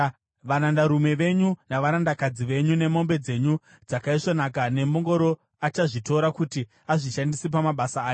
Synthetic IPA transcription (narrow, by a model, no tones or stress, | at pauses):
ʋanandaɾume̞ʋe̞ɲunaʋaɾandakad͡ziʋe̞ɲune̞mo̞mbe̞d͡ze̞ɲu | d͡zakaiʂonakane̞mo̞ŋɡo̞ɾo̞ | at͡ʃaʐitoɾakuti | aʐiʃandisep̬amaɓasaːjo